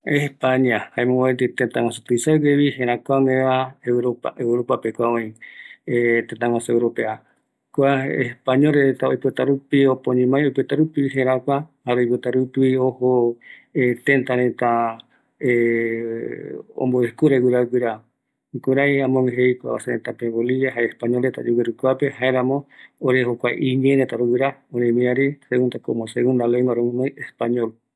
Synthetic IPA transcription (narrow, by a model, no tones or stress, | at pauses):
espaɲãhaẽmõaet̪it̪ent̪ãŋõsut̪ɨisaɡeβiɦeɾakʷaŋeaeɾoaʔewɾopapekʷaõĩet̪et̪ãŋãsuewɾopea | kʷaḛspaɲolɾeɾet̪aojpɨt̪aɾupiopõɲĩmãjojpet̪aɾupiɦẽɾakʷahaɾojput̪aɾupiohoet̪ẽnt̪aɾẽt̪a | e | o̰mboekuɾewɨɾawɨɾa | kuɾajamõŋɦejkʷa̰βa̰senẽt̪apẽβoliβjaɦaespaɲolet̪a̰d͡ʒuweɾukʷapehaeɾãmõoɾehokʷajʔiɲẽɾet̪aɾowɨɾaoɾẽmĩaɾiseɣũnd̪akomoseɣũnd̪aleŋɡaɾomĩmãjʔespaɲol